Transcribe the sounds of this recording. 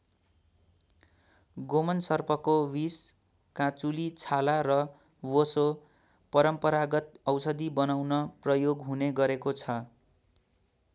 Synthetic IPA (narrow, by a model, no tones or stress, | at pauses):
ɡomʌnsʌrpʰʌkowis | kat͡sulit͡sʰalaɾʌ | woso | pʌɾʌmpʌɾaɡʌt̪̚ʌwsʌd̪ibʌnawnʌprʌjoɡɦuneɡʌɾekot͡sʰʌ